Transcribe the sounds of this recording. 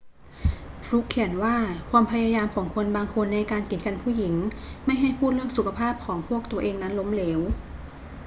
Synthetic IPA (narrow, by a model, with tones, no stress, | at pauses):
fɾu˦˥kʰːi˩˦nwaː˥˩kʰwaː˧mpʰa˧jaː˧jaː˧mkʰɔː˩˦ŋkʰo˧nbaː˧ŋkʰo˧nːa˧jkaː˧nki˨˩t̪̚ka˧npʰuː˥˩ji˩˦ŋma˥˩jɦa˥˩jpʰuː˥˩t̪̚lɯ˥˩ək̚su˨˩kʰa˧pʰaː˥˩p̚kʰɔː˩˦ŋpʰu˥˩ək̚t̪u˧ɐʔeː˧ŋna˦˥nlo˦˥mleː˦˥w